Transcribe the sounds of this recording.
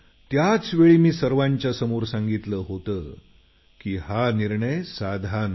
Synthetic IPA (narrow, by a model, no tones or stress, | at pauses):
t̪jat͡sʋeɭiːmiːsəɾʋãɲt͡ɕjasəmuːɾsaŋɡit̪ləːɦot̪əː | kiːhaniɾɳəjsad̪ʱan